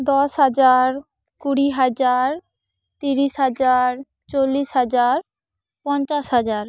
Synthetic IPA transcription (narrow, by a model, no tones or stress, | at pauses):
d̪ɔʃɦad͡ʑaɾ | kuɽiɦad͡ʑaɾ | t̪iɾiʃɦad͡ʑaɾ | t͡ɕolːiʃɦad͡ʑaɾ | pɔnt͡ɕaʃɦad͡ʑaɾ